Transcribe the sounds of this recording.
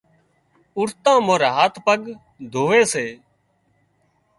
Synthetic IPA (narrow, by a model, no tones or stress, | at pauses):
ʊɾt̪ãːmoːɾaːɦaːt̪ʰpəɡ | d̪ʱoːʋeːseː